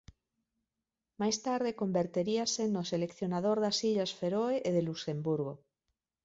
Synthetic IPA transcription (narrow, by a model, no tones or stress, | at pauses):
majst̪aɾðekombeɾt̪eɾiasenoselekθjonaðoɾðasiʎasfeɾoeʔeðelusembuɾɣo